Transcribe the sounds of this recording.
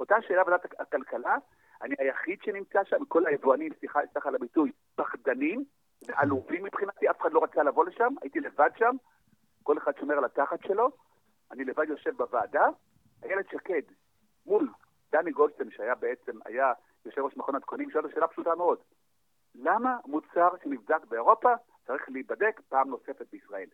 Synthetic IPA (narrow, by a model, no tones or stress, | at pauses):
o̞t̪aʃe̞ːlavd̪at̪aakalkala | aniajaχid̪ʃenimt͡saʃamiko̞laevuanimsiχasaχalabituj | b̥aχd̪anim | veʔaluvimːipχinat̪iafe̥χadlo̞ʁat͡salavo̞le̞ʃama̰jit̪ile̞vad̪ʃam | ko̞le̞χad̪ʃo̞meʁalat̪aχat̪ʃe̞lo̞ | anilevad̪jo̞ʃe̞vbavaːda | ajeled̪ʃake̞d̪ | mul | d̪̥aniɡolsenʃeajabee̞t͡se̞ma̰ja | jo̞ʃevoʃmaχo̞nad̪konimʃeoaʃeːlapʃutameo̞d | lamamut͡saʁʃenivdakbeoʁo̞pa | t͡saʁiχliibade̞kpaːmno̞se̞fet̪̚beisʁae̞l